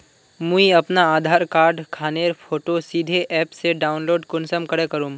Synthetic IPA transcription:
mũiɐpnaaːd̪ʱaːɾkaːɾɖkʰaːneːɾpʰoːʈosiːd̪ʱeʔɛːpseɖaːʊnloːɖkʊnsəmkɐɽekɐɾũː

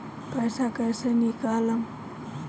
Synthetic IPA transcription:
pajsakajsenikalaŋ

